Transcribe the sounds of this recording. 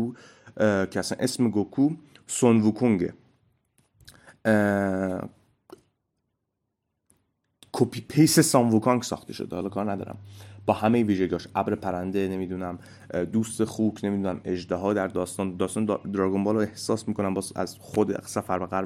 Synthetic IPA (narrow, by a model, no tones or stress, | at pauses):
u | cʰeæsænʔe̞smeɡokʰuː | sonvukʰoŋɟḛ | kʰopʰipʰejsesɒnvukʰɒŋksɒ̰ːxt̪e̞ʃo̰d̪ehɒːlɒkʰɒːɾnæd̪ɒ̰ːɾæ̰mb̥ɒːhæmejviːʒeɟiɒːʃʔæbɾepʰæɾænd̪ene̞miːd̪unæm | d̪uːst̪exuːkʰne̞mid̪unæme̞d͡ʒd̪eɦɒːd̪æɾd̪ɒːst̪ɒːnd̪ɒːst̪ɒːnd̪ɾɒːɡombɒːloehsɒːsmiːkʰo̞næmbɒzæ̰zxod̪esæfæɾbeɣæɾ